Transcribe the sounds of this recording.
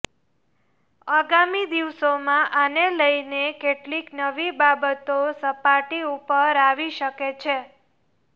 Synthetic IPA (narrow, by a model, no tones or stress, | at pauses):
aɡamid̪iʋsomãʔaneləjnekeʈliknəʋibabət̪osəpaʈiupəɾaʋiʃəket͡ʃʰe